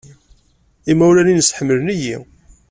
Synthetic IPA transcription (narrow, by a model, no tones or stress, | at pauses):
imæwlæninəsħəmːələniji